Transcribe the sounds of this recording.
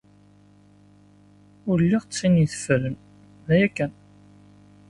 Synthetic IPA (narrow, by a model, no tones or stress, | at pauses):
ʊɾəlːiʁt͡sːiniθə̥fələn | ðæjækːən